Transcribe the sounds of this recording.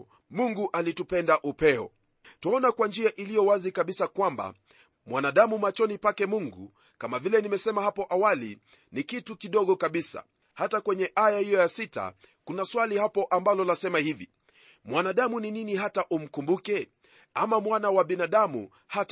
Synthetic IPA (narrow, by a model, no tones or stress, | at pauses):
muŋɡuʔalitupɛndaʔupɛɔ̰ | tuɔnakwand͡ʒiaʔilijɔwazikaɓisakwamba̰ | mwanaɗamumat͡ʃɔnipakɛmuŋɡṵ | kamavilɛnimɛsɛmahapɔʔawalḭ | nikitukiɗɔɠɔkaɓisa̰ | hatakwɛɲɛʔajahijɔjasita̰ | kunaswalihapɔʔambalɔlasɛmahivi | mwanaɗamunininiɦataʔum̩kumbukɛ | amamwanawaɓinaɗamṵ | hat